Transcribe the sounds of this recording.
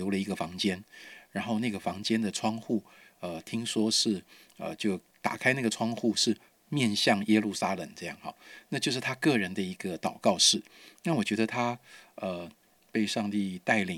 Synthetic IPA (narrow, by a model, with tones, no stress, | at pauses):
o˧˥ʊlə˧i˧˥ɡə˧fɑ˧˥ŋt͡ɕjɛ˥nɻa˧˥nxo˥˧ʊna˥˩ɡə˩fɑ˧˥ŋt͡ɕjɛ˥nd̪ə˨ʈ͡ʂʰwɑ˥ŋxu˥˩ | ə˩t̪ʰi˥ŋʂwɔ˥ʂɻ̩˥˩ | ə̰˧t͡ɕjo˥˩ʊ | t̪a̰˨˩kʰa˥ɪna˥˩ɡə˩ʈ͡ʂʰwɑ˥ŋxu˥˧ʂɻ̩˥˧ | mjɛ˥˧nɕjɑ˥˩ŋjɛ˥lu˥˩sa˥lə˨˩ŋʈ͡ʂɤ˥˧jɑ˥˩ŋxɑ̰˨˩˦na˥˧t͡ɕjo˥˧ʊʂɻ̩˥˩t̪ʰa˥kɤ˥˩ɻə˧˥nd̪ə˧i˧˥ɡə˧t̪ɑ˨˩ʊkɑ˥˧ʊʂɻ̩˥˩na˥˩wɔ˨˩t͡ɕɥɛ˧˥d̪ə˧t̪ʰa˥ə˩ | pe˥˧ɪʂɑ˥˧ŋt̪i˥˧t̪a˥˩ɪli˨˩